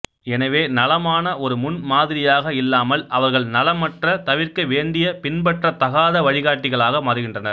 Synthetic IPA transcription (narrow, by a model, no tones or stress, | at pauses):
ɛnɐʋeːnɐlɐmaːnɐʔɔɾɯmʊnmaːðɪɾɪjaːɣɐɪlːaːmɐlɐʋɐɾɣɐɭnɐlɐmɐʈrɐt̪ɐʋɪɾkɐʋeːɳɖɪjɐpɪnbɐʈrɐt̪ɐɣaːðɐʋɐɻɪɣaːʈːɪɣɐɭaːɣɐmɐɾɯɣɪndrɐnɐ̰ɾ